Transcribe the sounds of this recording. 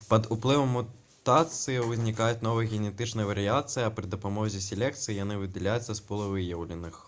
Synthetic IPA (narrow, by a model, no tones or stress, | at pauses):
pɐd̪uplˠɨvɐmːu | t̪at̪sɨjɐuzʲnʲikajut͡sʲnɔvɐjɐɣʲɛnʲɛt̪ɨt͡ʂnɐjɐvɐɾɨjat̪sɨjɐpɾɨd̪ɐpamɔzʲɛsʲɛlʲɛkt̪sɨjijanɨvɨd͡zʲɛlʲajut̪sːɐspulˠɐvɨjɐwlʲɛnɨx